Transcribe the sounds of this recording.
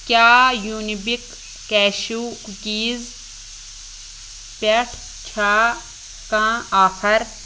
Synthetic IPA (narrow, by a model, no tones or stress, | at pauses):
kʲaːjuːnibikː | ɛːʃuːkukiːz | pɐʈʰ | t͡ʃʰaː | kãːaːxʰɐɾ